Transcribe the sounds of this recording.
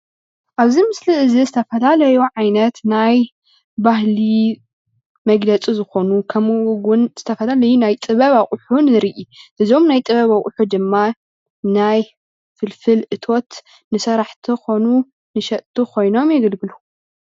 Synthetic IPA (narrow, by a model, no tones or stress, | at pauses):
ʔaβzimɨsliɨzizɨt̪ʰɐfɐlalɐjuʕajnɐt̪naj | baɦli | mɐɡlɐt͡sʼizɨxo̞nukʰɐmʔɡʊnz̥ɨt̪ʰɐfɐlalɐjunajt̪ʼɨβɐβaχʼħunɨɾiʔiʔɨzo̞mnajt̪ʼɨβɐβakʼħud̪ɨmːa | naj | fɨlfɨlʔɨt̪ʰo̞t̪ | nɨsɐɾaħt̪ʰixo̞nu | nɨʃɐʔt̪ʰukʰo̞jno̞mjɪɡɐlɡɨlu